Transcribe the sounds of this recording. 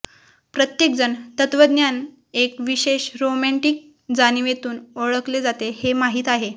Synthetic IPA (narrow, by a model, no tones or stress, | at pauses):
pɾət̪jek̚d͡zənt̪ət̪ʋəd̪njan | ekʋiɕeɕɾomæɳʈiːk̚ | d͡zaniʋet̪uːnoɭəkled͡zat̪ehemaɦiːt̪aɦe